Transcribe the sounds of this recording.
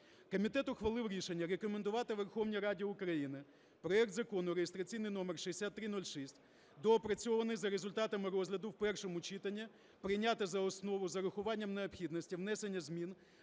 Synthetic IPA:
kɔmʲit̪ɛt̪ʊxʋɐlˠɪwɾʲiʃenʲːɐɾekɔmen̪d̪ʊʋɑt̪ɪʋerxɔwnʲiɾɑdʲiʊkɾɐjinɪ | pɾɔɛkt̪zɐkɔnʊɾejest̪ɾɐt͡sʲijnɪjnɔmerʃiesʲat̪ːɾɪnɔlʲʃisʲtʲ | d̪ɔːpɾɐt͡sʲɔʋɐnɪjzɐɾezʊlʲt̪ɑt̪ɐmɪɾɔzʲlʲɐd̪ʊwpɛrʃɔmʊt͡ʃit̪ɐnʲːi | pɾɪjnʲat̪ɪzɐɔsnɔʋʊzɐɾʊxʊʋɑnʲːɐmneɔpxʲid̪nɔsʲtʲiwnɛsenʲːɐzʲmʲin

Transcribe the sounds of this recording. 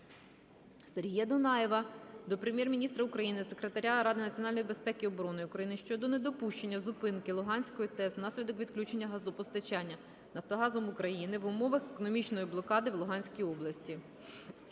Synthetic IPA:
serʲɦʲijɐd̪ʊnɑjeʋɐd̪ɔpɾemʲjɛrmʲinʲist̪ɾɐukɾɐjinɪse̞kɾe̞t̪ɐɾʲaɾɑd̪ɪnɐtt͡sʲjɔnɑlʲnɔjibe̞spɛkʲɪɔbɔɾɔnɔjukɾɐjinɪʃt͡ʃɔd̪ɔne̞d̪ɔpuʃt͡ʃe̞nʲːɐzʊpɪnkɪlˠʊɦɑnʲsʲkɔjit̪ɛsnɑsʲlʲid̪ɔkʋʲid̪klʲut͡ʃe̞nʲːɐɦɐzupɔst̪ɐt͡ʃɑnʲːɐ | nɐwt̪ɔɦɑzɔmʊkɾɐjinɪʋʊmɔʋɐxekɔnɔmʲit͡ʃnɔjiblˠɔkɑd̪ɪwlˠʊɦɑnʲsʲkʲiɔblˠɐsʲtʲi

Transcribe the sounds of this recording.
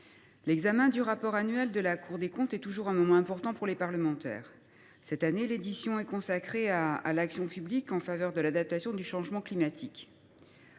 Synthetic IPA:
lɛɡzamɛ̃d̪yʁapɔʁanɥɛld̪əlakʰuʁd̪ekɔ̃t̪ɛt̪uʒuʁɛ̃mɔmɑ̃ɛ̃pɔʁt̪ɑ̃puʁlepaʁləmɑ̃t̪ɛ̰ːʁ | sɛt̪aneled̪isjɔ̃ɛkɔ̃sakχeaːlaksjɔ̃pyblikɑ̃favœʁd̪əlad̪ap̚t̪asjɔ̃d̪yʃɑ̃ʒmɑ̃klimat̪ʰik

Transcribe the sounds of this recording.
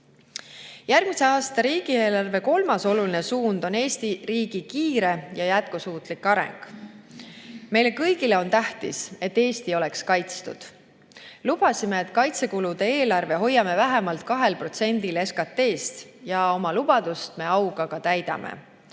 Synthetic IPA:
jærɡ̥mise̞ɑːst̪ɑɾiːɡ̥ieːlɑrve̞ko̞lmɑso̞luline̞suːnd̪̥o̞ne̞ːst̪iɾiːɡ̥ikiːɾe̞jɑjæt̪̚kusuːt̪ˑlikːˑɑɾḛŋɡ̥ | me̞jle̞kɤjɡ̥ile̞o̞nt̪æht̪ḭse̞t̪ːe̞ːst̪io̞lekskɑjt̪st̪ud̪̥ | lub̥ɑsimeːt̪ːˑkɑjt̪se̞kulud̪̥e̞eːlɑrve̞ɦo̞jːɑme̞væɦemɑlt̪̚kɑɦe̞lpro̞t̪se̞nʲd̪ile̞skɑt̪ːe̞ːst̪jɑo̞mɑlub̥ɑd̪̥ust̪me̞ɑwɡɑɡ̥ɑt̪æjd̪̥ɑ̰mʔḛ

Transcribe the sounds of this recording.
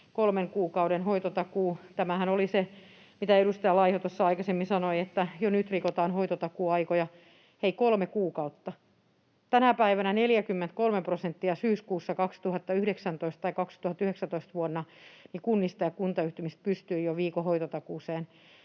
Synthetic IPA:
kolmeŋkuːkɑudenhoit̪ot̪ɑkuːt̪æmæhænolise | mit̪æeɾust̪ɑjɑlɑihot̪osːɑɑikɑsemːinsɑnoiet̪ːæjonyt̪rikot̪ɑːnhoit̪ot̪ɑkuːɑikojɑ | heikolmekuːkɑut̪ːɑ | t̪ænæpæiʋænæneljækymːent̪kolmeprosent̪ːiɑsyːskuːsːɑkɑkst̪uhɑt̪ːɑyhɾeksænt̪oist̪ɑikɑkst̪uhɑt̪ːyheksæt̪oist̪ʋuonːɑnikunːist̪ɑjɑkunt̪ɑyht̪ymist̪̚pyst̪yijoʋiːkohoit̪ot̪ɑkuːˑseːn

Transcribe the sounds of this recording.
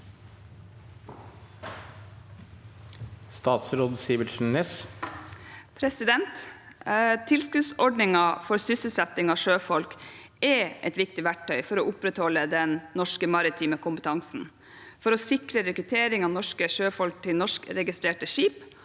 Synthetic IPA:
st̪ɑːt̪sɾoːd̪siːʋəʃɳneːs | pʰɾɛsɪd̪ɛnt̪ | t̪ʰːɪlskʉsɔɖɳɪŋɑfɔɾsʏsəlsɛt̪ɪŋɑːʂøːfɔlkʔɛʔɛt̪ʋɪkt̪ɪʋæʈʰːœʏfɔɾoːʔʊpɾɛt̪hɔlːəd̪ɛnnɔʂkəmɑɾɪt̪ʰiːməkʰʊmpət̪ʰɑŋsn̩ | fɔɾoːsɪkɾəɾɛkɾʉt̪ʰeːɾɪŋɑːʋnɔʂkəʃøːfɔlk̚t̪ʰɪlnɔʂkɾɛɡɪst̪ɾeːʈəʂiːp

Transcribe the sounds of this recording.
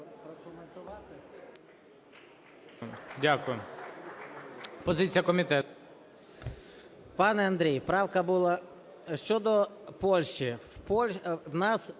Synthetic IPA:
pɾɔkʊment̪ʊʋɑt̪ɪ | dʲakʊjʊ | pɔzɪt͡sʲijɐkɔmʲit̪ɛ | pɑnɛɐnd̪ɾʲejpɾɑwkɐbulˠa | ʃt͡ʃɔd̪ɔpɔlʲʃt͡ʃipɔlʲwnɑs

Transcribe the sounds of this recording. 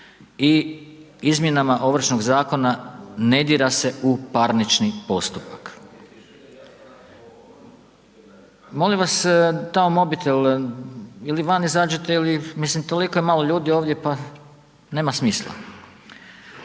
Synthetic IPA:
i | izmje̞namaʔo̞ʋɾ̩ʃnoɡzaːko̞nane̞d̪iɾase̞ʔupaɾnit͡ʃnipo̞st̪upak | mo̞limʋast̪aomo̞bit̪ʰe̞l | iliʋanizaːd͡ʒet̪eilimislimt̪o̞likojemalˠo̞ʎuːd̪io̞ːʋd̪je̞pa | ne̞ːmasmiːslˠa̰

